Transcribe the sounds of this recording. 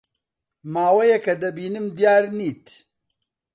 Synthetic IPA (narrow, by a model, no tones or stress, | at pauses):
maːwɐjɛkɐd̪ɐbiːnɨmd̪jaːɾniːt̪